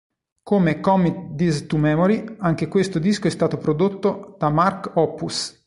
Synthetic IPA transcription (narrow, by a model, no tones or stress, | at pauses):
komekɔmikd̪ist̪umɛmoɾiaŋk̟ekwest̪od̪iskoɛst̪aːt̪opɾod̪ot̪ːod̪̥amarkɔpːus